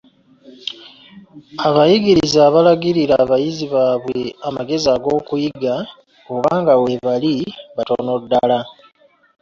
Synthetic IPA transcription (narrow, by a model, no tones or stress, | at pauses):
aβajiɡiɾizaːβalaɡiɾiɾaβajiziβaːβwe̞amaɡe̞ziaɡo̞ːkujiɡa | oβaːŋɡawe̞βaliβato̞̰no̞dːala